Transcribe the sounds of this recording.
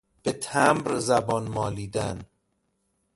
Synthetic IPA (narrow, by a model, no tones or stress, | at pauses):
b̥et̪ʰæmbɾzæbɒːnmɒːliːd̪æn